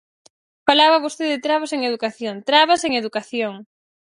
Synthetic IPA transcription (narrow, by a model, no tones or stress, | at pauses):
falaβaβost̪eðɪt̪ɾaβaseŋeðukaθjont̪ɾaβaseŋeðukaθjoŋ